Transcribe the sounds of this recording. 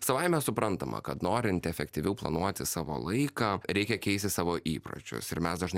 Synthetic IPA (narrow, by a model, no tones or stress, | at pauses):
sɐʋɐɪmʲɛsʊpɾɐnt̪ɐmʔɐ̰kɐt̪noːɾʲɪnʲt̪ʲɛfʲɛkt̪ʲiʋʲɛʊplˠɐ̰nuɔt̪ʲɪsɑːʋo̰ːlˠɐɪkɑːɾʲɛɪkʲɛkʲɛɪsʲt̪ʲɪsɑːʋoːʔiːpɾo̰t͡ʃʲʊ̰sɪɾmʲɛsd̪ɐʒnɐ